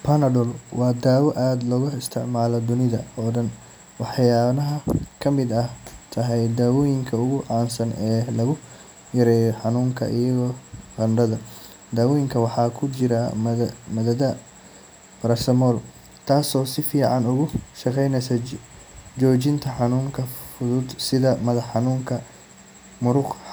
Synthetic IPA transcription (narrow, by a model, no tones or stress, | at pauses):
pʰɐnɐɖɔlwɑːd̪aːwɐʔaːd̪lɔːɣɐɪst̪ʰɪʕmaːlɔd̪ʊnɪðɐɔːɖɐn | wɑħjaːnɐɦɐkʰɐmɪd̪ɐt̪ʰɐɦɛjd̪aːwɔːjɪŋkʰɐʊɣʊʕɑːnsɐnɛːlɐɣʊ | jɐɾɛːjɔħɑnuːŋkʰɐ̰ʔiɪjɐɣɔːqɑnɾɐðɐ | d̪aːwɔːjɪŋkʰɐwɑħɑːkʰʊt͡ʃɪɾɐmɐðɐðɐ | bɐɾɐsɐmɔːl | t̪ʰaːsɔːsɪfiːʕɑnʊɣʊʃɑqɛjnɛsɐ | d͡ʒɔːt͡ʃɪnt̪ʰɐħɑnuːŋkʰɐfʊðʊd̪sɪðɐmɐðɐħɑnuːŋkʰɐ | mʊɾʊq